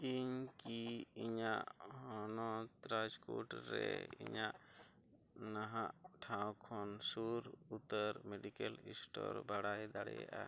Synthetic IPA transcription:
iɲkiiɲaʔhɔnɔt̪ɾad͡ʒkuʈɾɛiɲaʔ | naɦaʔʈʰawkʰɔnsuɾut̪əɾmeɖikɛlisʈɔɾbaɽajd̪aɽɛjɛʔa

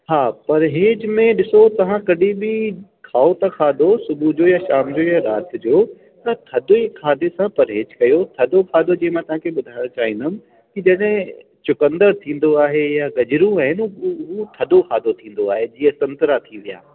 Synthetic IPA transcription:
ɦaːpɐɾɦeːd͡ʑmẽɗɪsot̪ɐʋ̤ãkɐɗibɪ | kʰaːot̪ɐkʰaːd̪osʊbʱud͡ʑoːjaʃaːmd͡ʑoːjaɾaːt̪d͡ʑoː | t̪ɐt̪ʰɐd̪oikʰaːd̪esãpɐɾɦeːd͡ʑkɐjot̪ʰɐd̪ʱokʰaːd̪od͡ʑĩːɪ̃mãːt̪ɐʋ̤ãkʰeɓʊd̪ʱaːɪɽ̃õt͡ɕaːɦĩːnd̪ʊmɪ̆ | kid͡ʑɐɗɦɪ̃ | t͡ɕʊkə̃nd̪əɾt̪ʰĩːn̆d̪oaːɦejaɡɐd͡ʑɪɾũaːɦɪnɦut̪ʰɐd̪okʰaːd̪ot̪ʰĩːn̆d̪oaːɦed͡ʑiːə̃sɐ̃nt̪ɾat̪ʰiʋija̰ː

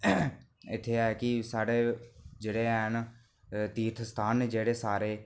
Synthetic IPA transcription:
ɪt̪ʰːeːaɛkɪsaːɽeːd͡ʒeːɽeːɦn | t̪iːt̪ʰst̪ʰaːneːd͡ʒeːɽeːsaːɾeː

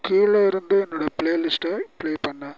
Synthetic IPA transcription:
kiːɭoːɪɾɯnd̪ɯɛnːoːɽɐpɭeːlɪsʈɐpɪɭeːpɐɳːɐ

